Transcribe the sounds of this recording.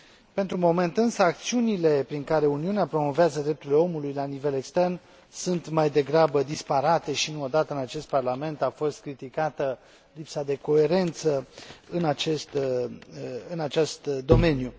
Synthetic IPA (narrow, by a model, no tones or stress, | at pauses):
pe̞nt̪ɾumo̞me̞nt̪ɨnsəak̚t̪siunile̞pɾiŋkaɾe̞uniuneapɾo̞mo̞veazəd̪ɾep̚t̪uɾileo̞mulujlanive̞le̞kst̪e̞rn | sunt̪majd̪e̞ɡɾabəd̪ispaɾat̪e̞ʃinuod̪at̪əɨnat͡ʃe̞st̪̚parlame̞nt̪afo̞st̪̚kɾit̪ikat̪ə | lipsad̪e̞ko̞e̞ɾe̞nt̪səɨnat͡ʃe̞st̪ | ɨnat͡ʃest̪d̪o̞me̞nju